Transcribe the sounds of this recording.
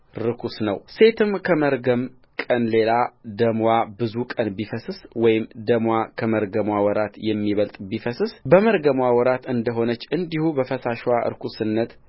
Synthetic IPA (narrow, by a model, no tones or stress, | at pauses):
ɾɨkʰusnəwse̞t̪ʰɨmkʰəməɾɡəm | kʼənle̞lad̪əmwabɨzukʼənbifəsɨswɔjɪmd̪əmwakʰəməɾɡəmwawɔɾat̪jɛmːiβəlt̪ʼbifəsɨsbəməɾɡəmwawɔɾat̪ɨnd̪əɦo̞nət͡ʃːɨnd̪ihubəfəsaʃwaʔɨ̰ɾkʰusɨnːət̪